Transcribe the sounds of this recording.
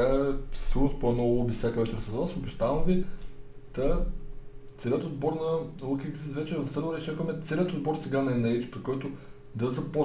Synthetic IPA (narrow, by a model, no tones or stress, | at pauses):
aɛssuɾsponɔlˠubisʲjakəvɛt͡ʃɛɾsɐzasobɛʃt̪avɐmvi | t̪ɐ | t̪sɛlʲjət̪od̪̚bɔɾnɐlˠukʲɡzit̪vɛt͡ʃɛvɐfsəɾˠɐɾʲɛt͡ʃakəmɛt̪sɛlʲjət̪od̪̚bɔɾsɛɡanɐɛnɛit͡ʃpɾikɔjt̪ʊ | d̪ɐzɐpɔ